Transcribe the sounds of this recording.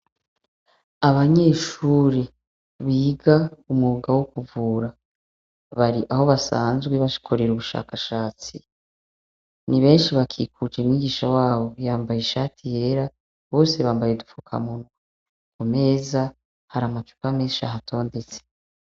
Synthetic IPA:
aβaɲe̞ːʃuːɾi | βiːɡaumŋuuɡawokuvuːɾa | βaɾiʔaho̞βasa̰ːnzɡweβaʃi̥kʰoɾeɾuβuʃa̰ːkaʃaːt͡si | niβe̞ːnʃiβakʰḭkʰud͡ʒeumŋiːɡiːʃawaːβo̞jaːmbajeʃaːtʰije̞ːɾa | βo̞ːse̞βaːmbajedufukʰa̰muna | kome̞za | haɾamat͡ʃu̥kameːʃaɦatʰo̞ːnde̞t͡se̥

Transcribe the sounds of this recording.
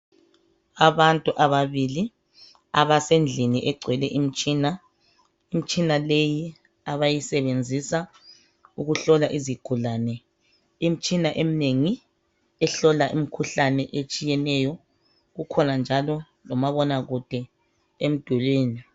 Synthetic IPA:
aβantʼuʔaβaβili | aβasend͡ɮʱiniʔɛɡ͡ǀʱwɛlɛʔim̩t͡ʃʼiːna | im̩t͡ʃʼinaleji | aβajisɛβend͡zʱisa | uɣuɬɔlaʔiziɡ̥ʱulaːnɛ | im̩t͡ʃʼinaʔem̩neŋi | ɛɬɔlaʔimikʰuɬanɛʔet͡ʃʼijɛnɛjɔ | ɣukʰɔnand͡ʒʱalɔ | lɔmaβɔnaɣud̥ʱɛ | em̩d̥ʱulweːni

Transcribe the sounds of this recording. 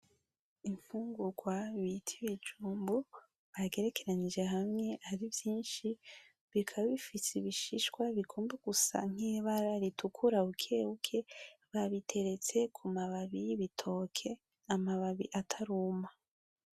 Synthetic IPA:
iɱfuːŋɡuɡwaβitʰiβid͡ʒuːmbu | βaɡe̞ɾe̞kʰe̞ɾanid͡ʒe̞ɦamŋe̞aɾivjiːnʃi | βikʰaβaβifisiβiʃiʃwaβikʰuːmbeɡ̥usa̰ŋ̥iβaɾaɾitʰukʰuɾaukʰe̞hukʰe̞βaβitʰe̞ɾe̞t͡se̞kʰumaβaβiβitʰo̞kʰe̞ | amaβaβḭʔatʰaɾuːma

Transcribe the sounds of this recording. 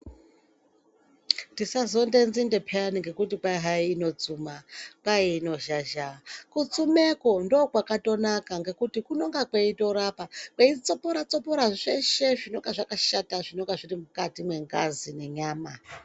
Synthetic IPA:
tisazo̞nde̞nzinde̞pʰeaniŋɡe̞kutikwaiɦaiːno̞t͡sumakwaiːno̞ʒaʒakut͡sumeko̞ndo̞ːkwakato̞nakaŋɡe̞kutikuno̞ŋɡakweito̞ɾapakweit͡sopoɾat͡so̞po̞ɾaʐeʃeʐino̞ŋɡaʐakaʃataʐinoŋɡaʐirimukatimwe̞ŋɡazine̞ɲaːma

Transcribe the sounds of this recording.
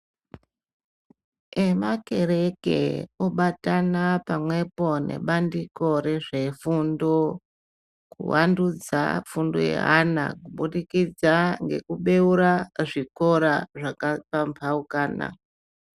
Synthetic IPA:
e̞make̞ɾe̞kḛoɓatanapamwe̞po̞ne̞̰ɓandiko̞ɾe̞ʐe̞fundo | kṵwandud͡za̰fundo̰jḛɦa̰na̰kuɓuɗikid͡zaŋɡe̞̰kuɓe̞uɾaʐiko̞ɾaʐakapampʰaukaːna̰

